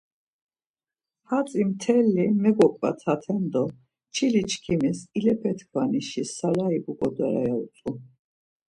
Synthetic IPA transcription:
hat͡sʼimt̪ʰɛlːimɛɡɔkʼva̰t̪ʰat̪ʰɛnd̪ɔ | t͡ʃʰilit͡ʃʰkʰimisilɛpʰɛt̪ʰkʰvaniʃisalaibukʼɔd̪ɔɾa̰jaut͡s̪ʼu

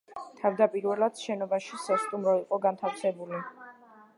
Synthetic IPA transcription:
t̪ʰavd̪apʼiɾvɛlˠad̪̥ʃɛnɔbaʃisast̪ʼumɾɔiqʼɔɡant̪ʰafsɛbuli

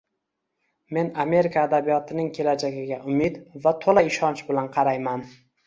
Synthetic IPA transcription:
me̞name̞ɾɪkʰaːd̪abijɒt̪ʰɪnɪŋkʲʰe̞lad͡ʒaɡʲɪɡʲaʊmɪd̪vat̪ʰolaɪʃɒnt͡ʃbɪlanqʰɑɾajman

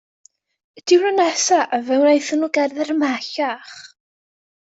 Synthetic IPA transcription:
d̥ɪwrənɛsaʔəvɛwnajθənuɡɛrðɛɾəmaɬaχ

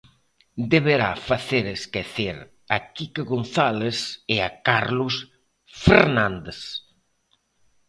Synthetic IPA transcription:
d̪eβeɾa̰faθeɾeskeθeɾ | ɐkikeɣonθalesɪakaɾlʊs | feɾnãnd̪es

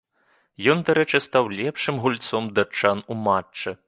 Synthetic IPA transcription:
jɔnd̪aɾɛt͡ʂɨst̪awlʲɛpʂɨmɣulʲt̪sɔmd̪at͡ʂːanumat͡ʂːɨ

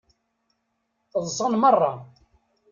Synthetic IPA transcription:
θəðˤsˤənmərˤːɑ

